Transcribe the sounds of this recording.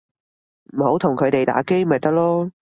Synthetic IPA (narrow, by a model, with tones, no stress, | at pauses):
m̩˨˩ho˨˥wt̪ʰʊ˨˩ŋkʰɵ˨˧ɥt̪e˨jt̪a̰ː˨˥ke˥jmɐ˨jt̪ɐ˥k̚lɔː˥